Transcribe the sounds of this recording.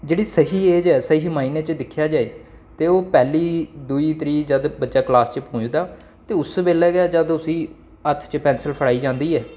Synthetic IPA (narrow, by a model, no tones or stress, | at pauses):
d͡ʒeːɽiːsəɦiːeːd͡ʒɛːsəiːmaːiːneːt͡ʃd̪ɪkʰːjaːd͡ʒaːḛː | t̪eːoːpɛːliːd̪uiːt̪ɾiːd͡ʒəd̪bəd͡ʒaːklaːst͡ʃpõːd͡ʒd̪aː | t̪eːʊsbeːlɛːɡaːd͡ʒəd̪ʊsiː | ət̪ʰt͡ʃəpɛ̃ːnsəlpʰəɽaːiːd͡ʒãːnd̪iːɛː